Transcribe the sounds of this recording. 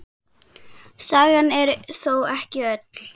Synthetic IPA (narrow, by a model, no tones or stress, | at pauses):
saːɣanɛɾθowɛhcɪœt̪l̥